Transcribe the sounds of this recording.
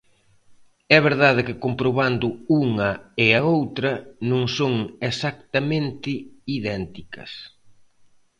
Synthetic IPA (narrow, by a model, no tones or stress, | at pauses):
ɛβeɾðaðɪkɪkompɾoβand̪ʊuŋɐɪɐowt̪ɾɐnõŋsoŋesakt̪ɐmẽnt̪ɪiðɛnt̪ikɐ̰s